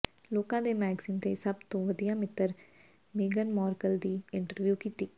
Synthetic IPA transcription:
loːkãːd̪eːmɛːɡsiːnt̪eːsəbt̪õːʋəd̪ijãːmɪt̪ːəɾ | meːɡənmɔːɾkəld̪iːɪɳʈəɾʋjuːkiːt̪iː

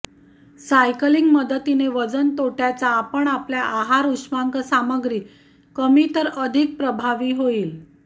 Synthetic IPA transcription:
sajkəliŋɡməd̪ət̪ineʋəd͡zənt̪oʈjat͡saːpəɳapljaʔaɦaɾuʂmaŋkəsaməɡɾiː | kəmit̪əɾəd̪ʱik̚pɾəbʱaʋiːɦoiːl

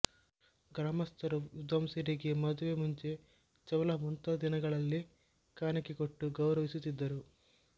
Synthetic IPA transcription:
ɡɾaːmɐst̪ʰɐɾuud̪ɐmsiɾiɡe̞mɐd̪uʋe̞muɲt͡ʃe̞ | t͡ʃɐʋɐlɐmunt̪ɐd̪inɐɡɐɭɐlːi | kaːnɐkikoʈːuɡɐwɾɐʋisut̪ːid̪ːɐɾu

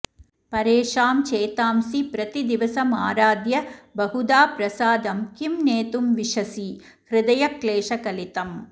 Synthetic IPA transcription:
pɐɾeːʂaːmt͡ʃeːt̪aːmsipɾɐt̪id̪iʋɐsɐmaːɾaːd̪jɐbɐɦud̪aːpɾɐsaːd̪ɐmkimneːt̪umʋiʂɐsi | hɾɪd̪ɐjɐkleːʃɐkɐlit̪ɐm

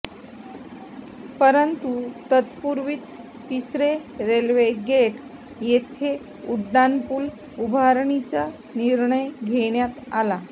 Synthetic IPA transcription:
pəɾənt̪ut̪ət̪puɾʋiːt͡s | t̪isɾeɾelʋeɡeʈ | jet̪ʰe | uɖːanpuːl | ubʱaɾɳit͡sa | niɾɳəjɡʱeɳjat̪ala

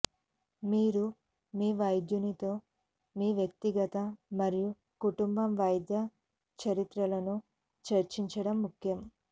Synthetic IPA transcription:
miːɾu | miːʋɐjd̪junit̪o̞ː | miːʋjɐk̚t̪iɡɐt̪ɐmɐɾiju | kuʈumbɐmʋɐjd̪jɐ | t͡ʃɐɾit̪ɾɐlɐnu | t͡ʃɐɾt͡ʃiɲt͡ʃɐɽɐmːukʰjɐm

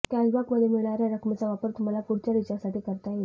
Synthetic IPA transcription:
kasbakməd̪ʱːjemiɭɳaɾjaɾəkʰmət͡saʋapəɾt̪um̤alapuɽt͡ɕaɾit͡ɕasaʈiːkəɾt̪aje

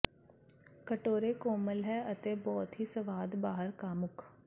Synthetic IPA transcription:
kəʈoːɾekoːməlɦɛɐt̪ebɔːt̪ɦisɐʋaːd̪baːɦəɾkaːmʊkʰ

